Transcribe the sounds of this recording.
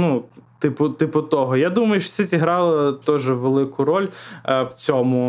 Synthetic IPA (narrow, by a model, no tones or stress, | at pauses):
nut̪ɪpʊt̪ɪpʊt̪ɔɦɔjad̪umɐjʊʃɔ̥tsɛzʲiɦɾɑlˠɪt̪ɔʒɛʋelˠɪkʊɾɔlʲwt͡sʲɔmʊ